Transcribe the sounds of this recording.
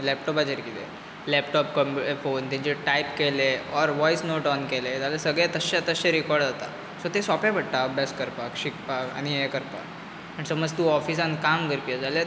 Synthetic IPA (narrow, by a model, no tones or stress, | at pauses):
lɛp̚ʈɔpad͡ʑeɾkit̪ḛ | lɛpʈɔpkəmefont̪ãɲt͡ɕeʈajpkeleɔɾʋɔisnoʈɔnkelet̪jalasəɡɭjat̪əɕat̪əɕeɾikɔɾɖd͡zat̪a̰ | sot̪esɔpãbəɽʈ̪abeskəɾpakɕikpaka̰ɽ̃iekəɾpa̰k | aɽ̃isəməd͡zt̪uɔfiːsãnkamɡəɾpijəd͡zale